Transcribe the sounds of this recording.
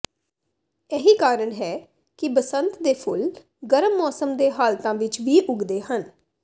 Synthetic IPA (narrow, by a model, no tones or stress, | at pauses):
ɛːɦiːkaːɾəɳɦɛː | kɪbəsənt̪d̪eːpʰʊ̰l | ɡəɾəmːɔːsəmd̪eːɦaːlt̪ãːʋɪt͡ʃʋiːʔʊɡd̪eːɦən